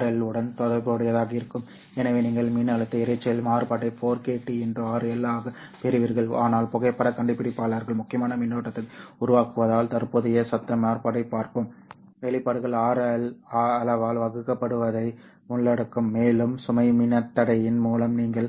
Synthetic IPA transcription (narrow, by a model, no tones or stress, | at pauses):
ɾɐlɯɽɐnt̪ɔðɐpoːɽɯjɐðaːɣɐɪɾɯkːɯm | ɛnɐʋeːniːŋɡɐɭmiːnɐɭɐt̪ːɐɪɾɐɪt͡ʃːɐjɐlmaːɾpaːʈːɐɪpoːɾkeːʈːiɛndrɯaːɾɯɛlːaːɣɐpɛɾɪʋiɾɣɐɭaːnaːlpɔɣɐɪpːɐɽɐkɐɳɖɯpːɪɽɪpːaːlɐɾɣɐɭmʊkːɪjɐmaːnɐmɪnːoːʈːɐt̪ːɐʊɾʊʋaːkɯʋɐðaːlt̪ɐɾpoːðɪjɐsɐt̪ːɐmaːɾpaːʈːɐɪpːaːɾkɯm | ʋɛɭɪpːaːɽɯɣɐɭaːɾlːɐlɐʋaːlʋɐɣɯkːɐpːɐɽɯʋɐðɐɪ | ʊɳːɐɽɯkːɯmːeːlɯmsʊmɐɪmɪnɐt̪ːɐɽɐjɪnmuːlɐmniːŋɡɐɭ